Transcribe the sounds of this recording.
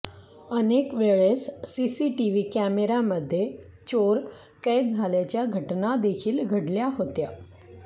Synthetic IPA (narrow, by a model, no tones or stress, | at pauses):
ənekʋeɭesːisiʈiʋikæmeɾaməd̪ʱːje | t͡ɕoɾ | kejt̪̚d͡zʱaljat͡ɕjaɡʱəʈnad̪ekʰiːlɡʱəɽljaɦot̪ja